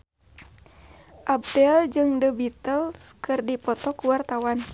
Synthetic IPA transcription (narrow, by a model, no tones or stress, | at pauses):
ʔab̚dɛld͡ʒɨŋdəbit̪əlskɨrdipɔt̪ɔkuwart̪awan